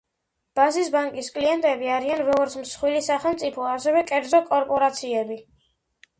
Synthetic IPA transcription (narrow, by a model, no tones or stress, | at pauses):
b̥azisbaŋkʼiskʼliɛnt̪ʼɛbiaɾianvɛɔɾt̪sʰmsχwilisaχɛlˠmt̪sʼipʰɔasɛvɛkʼɛɾd̪zɔkʼɔɾpʼɔɾat̪sʰiɛbi